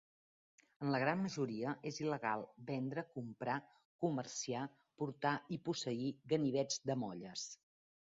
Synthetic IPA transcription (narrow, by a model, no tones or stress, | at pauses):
ənləɣɾanməʒuɾiəʔeziləɣa̰lˠbɛnd̪ɾəkumpɾa | kuməɾsia | puɾt̪aipusəiɣəniβ̞ɛd͡zd̪əmɔʎəs